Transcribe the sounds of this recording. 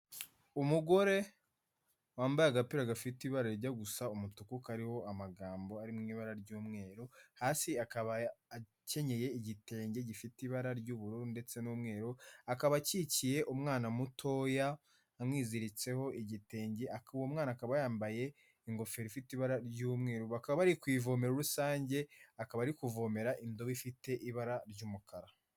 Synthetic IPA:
umuɡo̞ɾe̞ | waːmbajaɡapiɾaɡafitiβaɾaɾɟaɡusaumutukukaɾiho̞amaɡaːmbo̞aɾimŋiːβaɾaɾɟuːmŋe̞ːɾohaːsiakaβaː | ce̞ɲe̞je̞iɟite̞ːɲɟeɟifitiβaɾaɾɟuːβuɾuɾnde̞t͡se̞nuːmŋe̞ːɾoakaβacicije̞ʔumŋaːnamutʰoːjaː | mŋiːziɾit͡se̞ho̞ʔiɟite̞ːɲɟeʔakuβomŋaːnakaβajaːmbaje̞ | iŋɡo̞fe̞ɾifitiβaɾaɾɟuːmŋe̞ːɾoβakaββaɾikwiːvo̞ːme̞ɾuɾusaːɲɟe̞akaβaːɾikuvo̞ːme̞ɾaʔindo̞βifite̞ʔiβaɾaɾɟuːmukʰaɾa

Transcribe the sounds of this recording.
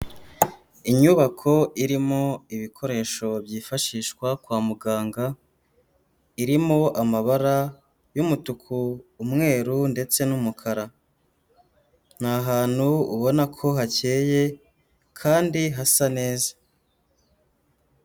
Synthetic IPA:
iɲuβakʰo̞ʔiɾimoiβikʰo̞ɾe̞ːʃo̞bjiːfaʃiːʃkwakwaːmuɡaːŋɡa | iɾimo̞ʔamaβaɾa | jumutukʰuːmŋe̞ːɾunde̞t͡se̞numukʰaɾa | n̥haɦaːn̥huṵβo̞nakʰo̞ɦace̞ːje̞ | kʰaːndiɦasane̞ːzḁ

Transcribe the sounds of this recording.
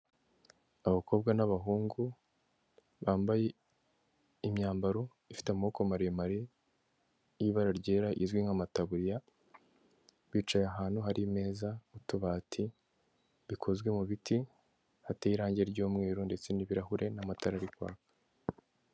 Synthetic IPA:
aβako̞bɡanaβaɦuːŋɡu | βaːmbaje̞ | imɲaːmbaɾo̞ | ifi̥teamokomaɾemaɾe | jiβaɾaɾɟe̞ːɾaʔḭzɡwiŋamataβuɾija | βit͡ʃajaɦaːn̥huɦaɾime̞ːzautuβaːtʰi | βikʰo̞zɡwe̞muβitʰi | hateiɾaːɲɟe̞ɾɟoːmŋeːɾonde̞t͡se̞niβiɾahuɾʔe̞namataɾaɾikwa̰ːkḁ

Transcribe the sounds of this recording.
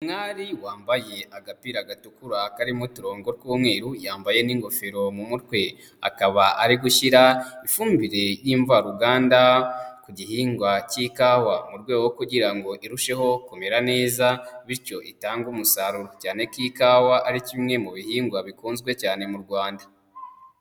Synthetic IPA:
umŋaːɾiwaːmbaje̞ʔaɡapiɾaɡatukuɾakaɾimutuɾo̞ːŋɡo̞ɾkuːmŋe̞ːɾujaːmbaje̞niːŋɡo̞fiɾo̞mumutkwe̞ | a̰kaβaʔaɾiɡuʃiɾaifuːmbiɾe̞jiːɱvaɾuɡaːndakuɟihiːŋɡwaciːkawamuɾɡwe̞ːɡookuɟiɾaŋɡo̞ʔiɾuʃe̞ho̞kome̞ɾane̞ːzaβiɾco̞ʔitaːŋɡumusaɾuɾocaːne̞kiːkawaʔːɾicimŋe̞muβihiːŋɡwaβikuːnzɡwe̞caːne̞muɾɡwaːnda

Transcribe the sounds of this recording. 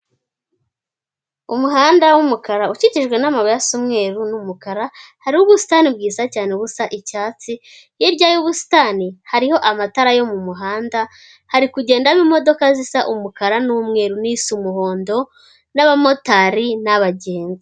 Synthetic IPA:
umuɦaːndawumukaɾaut͡ʃiciʒɡwe̞namaβojasumŋe̞ːɾunumukaɾahaɾiuβusi̥tanib̚ɡiːzacaːneβusaʔicaːt͡si | jibɟaːjuβusi̥tanihaɾiho̞ʔamataɾajo̞mumuɦaːnda | haɾikuɟe̞ːndaβimo̞do̞kazisaʔumukaɾanumŋe̞ːɾunisumuɦo̞ːndo̞ | naβamo̞taɾinaβaɟeːnza

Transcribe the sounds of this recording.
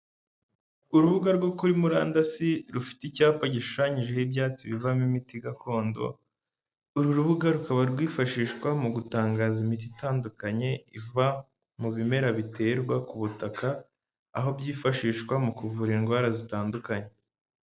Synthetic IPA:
uɾuβuɡaɾɡwo̞kuɾimuɾa̰ːndasiɾufi̥ticaːpaɟiʃu̥ʃaɲiʒe̞hibjaːt͡siβivamimitiɡakʰo̞ːndo̞̰ | uɾuɾuβuɡaɾukaβaɾɡwiːfaʃiːʃkwamuɡutaːŋɡaːzimit̬itaːndukaɲe̞iva | muβime̞ɾaβitʰe̞ːɾɡwakuβutakʰa̰ː | ɦo̞bjiːfaʃiːʃkwamukuvuɾiŋɡwaːɾazitaːndukaɲe

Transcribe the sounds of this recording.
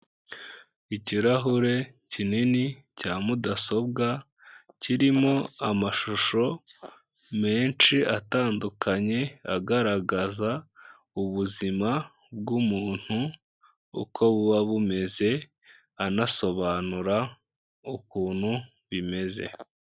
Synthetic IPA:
iciɾaɦuɾe̞ | cininicaːmudaso̞b̚ɡa | ciɾimo̞amaʃuʃo̞ | me̞ːnʃiʔataːndukʰaɲe̞aɡaɾaɡaza | uβuzima | b̚ɡumuːn̥hṵː | kʰo̞βuwaβume̞ze̞ | anaso̞βaːnuɾa | ukuːn̥hu | βime̞ze̞̰

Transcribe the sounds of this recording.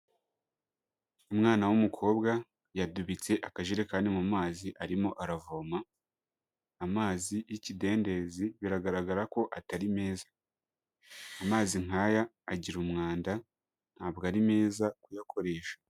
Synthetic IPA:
umŋaːnawumukʰo̞ːbɡa | jaduβit͡se̞ʔakaʒiɾe̞kaːndimumaːziʔaɾimo̞ʔaɾavoːma | maːzijicide̞ːnde̞ziβiɾaɡaɾaɡaɾako̞ʔataɾime̞ːza | maːziŋaːjaː | ɟiɾumŋaːnda | n̥haːbɡaɾime̞ːzakujakʰo̞ɾe̞ːʃḁ

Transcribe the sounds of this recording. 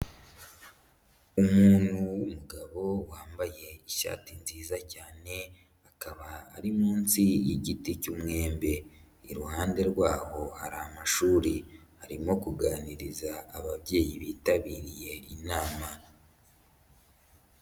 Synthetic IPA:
umuːnhuumuɡaβo̞waːmbaje̞iʃa̰ːtinziːzacaːne̞ | akaβa̰ːɾimuːnsiiɟiticumŋe̞ːmbe̞ | iɾuhaːnde̞ɾwaːho̞ha̰ɾaamaʃuːɾihaɾimo̞kuɡaːniɾizaːβaβje̞ːjiβiːtaβiːɾije̞inaːma

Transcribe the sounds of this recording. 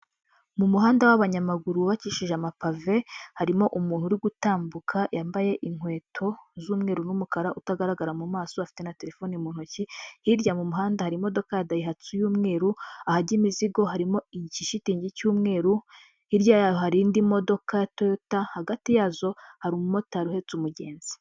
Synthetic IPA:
mumuɦaːndawaβaɲamaɡuɾuβaciʃiʒeamapave̞haɾimo̞ʔumuːn̥huɾiɡutaːmbukʰajaːmbaje̞ʔiŋ̥hwe̞ːtʰo̞zuːmŋe̞ːɾunumukaɾaʔutaɡaɾaɡaɾamumaːso̞afi̥te̞nate̞ɾe̞fo̞nimuːnhucihiɾɟamumuɦaːndahaɾimo̞do̞kajadajiɦat͡sujuːmŋe̞ːɾuahaɾɟimiziɡo̞ɦaɾimo̞iciʃitiːɲɟicuːmŋe̞ːɾu | iɾjaːɦaɾindimo̞do̞kajatootahaɡatijazo̞haɾumumo̞taɾuhe̞t͡sumuɟe̞ːnz̥i̥

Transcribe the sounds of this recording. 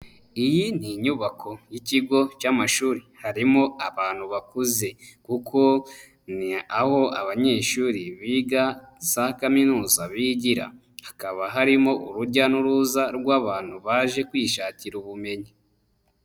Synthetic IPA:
ijiniɲuβakʰo̞jiciɡo̞camaʃuːɾihaɾimo̞aβaːn̥huβakuze̞kukʰo̞ | niaho̞a̰βaɲe̞ːʃuːɾiβiːɡazakaminuːzaβiɟiɾa̰ | hakaβaɦaɾimo̞ʔuɾuɟanuɾuzaɾɡwaːβaːn̥huβaːʒe̞kwiːʃaːciɾuβume̞ɲi

